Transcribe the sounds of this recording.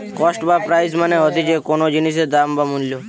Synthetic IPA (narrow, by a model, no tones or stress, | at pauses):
kɔsʈbapɾajsmaneɦɔt̪id͡ʒekonod͡ʒinis̬ed̪ambamunljo